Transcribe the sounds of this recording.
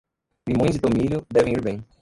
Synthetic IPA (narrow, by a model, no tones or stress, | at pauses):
limõj̃zd͡ʒɪt̪omilʲjʊd̪ɛvẽiɾbẽj̃